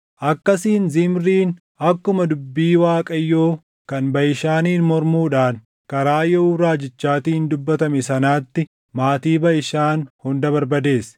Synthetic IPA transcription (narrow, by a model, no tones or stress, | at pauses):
ʔɐkːɐsiːnzɪmɾiːn | ɐkːʊmɐd̪ʊbːiːwaːkʼɐjːo̞ː | kɐnbɐjɪʃaːniːnmɔɾmuːᶑaːn | kɐɾaːjɛuːɾaːd͡ʒɪt͡ʃːaːt̪iːnd̪ʊbːɐt̪ɐmɛsɐnaːt̪ːɪ | maːt̪iːbɐjɪʃaːnhʊnd̪ɐbɐɾbɐd̪e̞ːs